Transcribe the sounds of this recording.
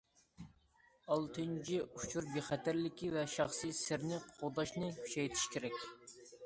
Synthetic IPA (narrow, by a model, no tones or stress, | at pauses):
ɑlˠt̪ʰɨnt͡ʃʰiut͡ʃʰuɾbeχɛt̪ʰæɾlɪkʲivɛʃɑχsɨsɪɾnɪqʰod̪ɑʃnɨhy̥ʃɛjt̪ʰɪ̥ʃkʲʰeɾɛkʲ